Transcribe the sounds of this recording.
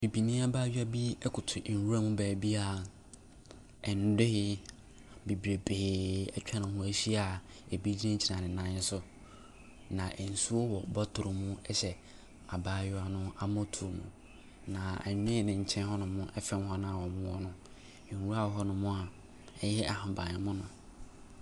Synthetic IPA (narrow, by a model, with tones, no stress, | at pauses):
b̥i˨bi˨nĩ˦a˦baː˦jʊ˦a˦bi˦ɛ˦kʰʊ˨tʰʊ˨ʔwu˦ɾa˦mũ˦bɛː˨bi˦a˨ | ɛ˨n̩˨˦de˦hɪ˦ | bi˨bɾe˨be˨ɛ˦t͡ɕᶣa˦nɪ̃˨ʊ̃˦ɕi˦a˨ | e˨bi˦d͡ʑi˦ẽ˦ɲ˦t͡ɕʰi˨nã˨nɪ̃˨nã˦n˦sʊ˨ | nã˨ʔɛ˨n̩˨su˦o˦wɔ˨bɔ˦tʰʊ˨ɾʊ˨mũ˦ɛ˦ɕɛ˨ | a˨baː˦jʊ˦a˨nʊ̃˦a˦mɔ̃˦tʰu˨o˨mṵ̃˨ | nã˨a̰˨ɲᶣ˦ẽ˦˨nɪ̃˨ɲ̩˨t͡ɕʰɛ̃˦nɦɔ˦nʊ̃˨mʊ̃˦ʔɛ˦fɛ˦m˦hɔ̃˦nã˦a˨wɔ̃˨mʊ̃˦ɔ˦nʊ̃˦˨ | wu˦ɾa˦wɔ˨ɦɔ˦nʊ̃˨mʊ̃˦a˨ | ɛ˦jɛ˦ʔa˨hã˨bã˨nɪ˨mʊ̃˦nʊ̃˨